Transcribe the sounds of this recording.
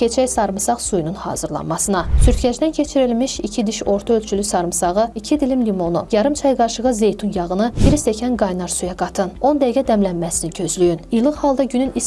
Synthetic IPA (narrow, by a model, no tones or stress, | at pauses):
e̞t͡ʃʰæjsɑɾmɯsɑʁsujununhɑ̰ːzɯɾlˠɑ̰nmɑsɯnɑsyɾcʲʰæd͡ʒd̪æncʲʰe̞t͡ʃʰiɾilmiʃicʰid̪iʃo̞ɾt̪ʰaølʲt͡ʃʰylysɑɾmɯsɑʁɯicʰid̪ilimlimo̞nujɑɾɯmt͡ʃʰɑjɡɑɾʃɯʁɯze̞jt̪ʰunjɑʁɯnɯbiɾist̪ʰecʰænɡɑjnɑɾsujɑɡɑt̪ʰɯno̞nd̪æɡʲæd̪æmlænmæsiniɟø̞zlyjynijlˠɯχhɑlˠd̪ɑɟynynis